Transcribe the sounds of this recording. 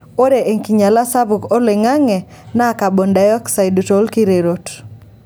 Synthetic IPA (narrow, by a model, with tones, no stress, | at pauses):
o˦ɾe˨ʔe˨ŋki˨ɲa˨la˦sa˦bu˨ko˦le˨ŋa˦ŋɛ˨ | na˦˨ka˨bo˨nda˨jɔ˦ksa˨jdu˨to˨lki˦ɾe˨ɾo˨t